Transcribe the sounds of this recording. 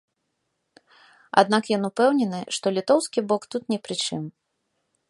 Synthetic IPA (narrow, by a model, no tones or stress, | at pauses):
a̰d̪nakjɔnupɛwnʲɛnɨʂt̪ɔlʲit̪ɔwskʲibɔkt̪ut̪nʲɛpɾɨt͡ʂɨm